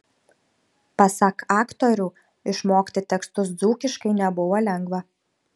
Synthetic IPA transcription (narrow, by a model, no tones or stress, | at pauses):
pɐsɐkʰɑːkt̪ɔɾʲuː | ɪʃmoːkʲt̪ʲɪt̪ʲɛkst̪ʊsd̪zuːkʲɪʃkɐɪnʲɛbʊʋɐlʲɛŋɡʋɐ